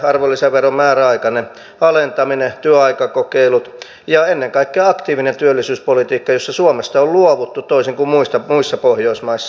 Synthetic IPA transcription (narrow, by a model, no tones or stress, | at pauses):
ɑrʋolːiseʋʋerommæːræɑikɑne | ɑlent̪ɑminet̪yøɑikɑkokeilut̪ | jɑenːeŋkɑikːeːɑkt̪iːʋinent̪yølːisyːspolit̪iːkːɑjosːɑsuomest̪ɑolluoʋut̪ːutt̪oisiŋkummuist̪ɑmuisːɑpohjoismɑisːɑ